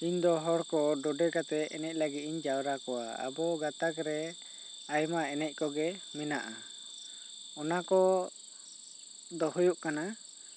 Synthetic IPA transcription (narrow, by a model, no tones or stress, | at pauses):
iɲd̪ɔɦɔɽkɔɖɔɖɛkat̪ɛɛnɛc̚ˀlaɡit̪̚iɲd͡ʒawɾakɔwaa̰bɔɡat̪akɾɛ | ajmaɛnɛc̚ˀkɔɡɛmɛnaʔa | ɔnakɔ | d̪ɔɦujuʔkana